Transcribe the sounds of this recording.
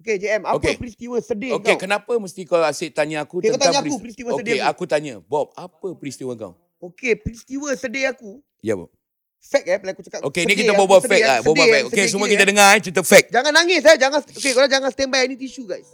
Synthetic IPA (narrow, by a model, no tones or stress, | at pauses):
ked͡ʒeɛmaokepɾist̪iwəsədeokekənapəməst̪ikawaset̪aɲaakut̪at̪aaɲaakuɾist̪iwəokeakut̪aɲabɔp̚apəpɾist̪iwəka̰w | okepɾist̪iwəsədeaku | ja̰bɔ̰ | fɛk̚ɛplakut͡ʃəkat̪ʔo̰kenikit̪abobasəfɛk̚labobafɛkokes̬əmũakit̪ədəŋat͡ʃɾit̪̬əp̚fɛk̚d͡ʒaŋanːaŋɪsɛd͡ʒaŋanokekalad͡ʒaŋansət̪ɛmbajanit̪uiʃuɡajs